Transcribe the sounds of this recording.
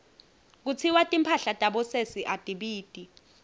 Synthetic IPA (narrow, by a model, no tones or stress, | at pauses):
k̬ut͡sʰiwatʼimpʰaɬatʼaɓɔsesiʔatʼiɓiːtʼi